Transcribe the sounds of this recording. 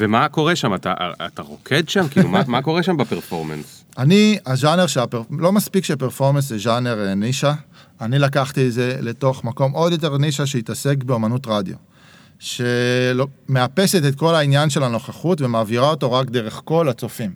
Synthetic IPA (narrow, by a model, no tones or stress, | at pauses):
vemako̞ʁeʃamata̰ʔa̰t̪aʁo̞̰kʰed̪ʃamkilṵmamako̞ʁeʃambapeʁfo̞̰ʁmḛns | aniaʒaneʁʃelapeʁlo̞maspikʃepeʁfo̞ʁmenseʒaneʁeniʃa | anilakaχt̪ietze̞le̞to̞χmako̞mo̞djot̬e̞ʁniʃaʃeitase̞kbeomanutʁadjo̰ | ʃelome̞ape̞setetko̞lainjanʃe̞lano̞χaχutve̞maːviʁao̞to̞ʁakd̪e̞ʁe̞χko̞lat͡so̞fim